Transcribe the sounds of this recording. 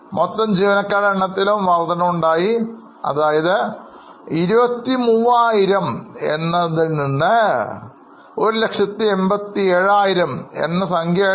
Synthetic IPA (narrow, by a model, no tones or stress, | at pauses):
mot̪ːɐmd͡ʑiːʋɐnɐkːaːɾɐɳːɐt̪ːilumʋɐrd̪ɐnɐmuɳɖaːji | ɐ̰ðaːjɐðɨ | iɾubɐt̪ːimuːʋaːjiɾɐme̞̰nːɐðilninːɨ | o̞ɾule̞kʂɐt̪ːie̞mbɐt̪ːieɻaːjiɾɐmḛnːɐsɐŋɡʱjɐ